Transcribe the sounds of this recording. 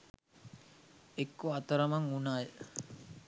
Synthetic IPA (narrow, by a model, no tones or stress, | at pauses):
ekːoat̪əɾəmaŋunaːj